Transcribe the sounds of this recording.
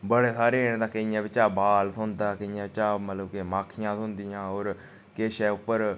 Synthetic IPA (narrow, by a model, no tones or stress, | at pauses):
bəɽeːsaːɾeːnd̪aːkəijãːbɪt͡ʃaːbaːlt̪ʰoɦʊnd̪aːkəijãːbɪt͡ʃaːmət̪ləbkemaːkʰɪjãːt̪oɦʊnd̪ijãːoːɾ | keːʃɛːʊpːəɾ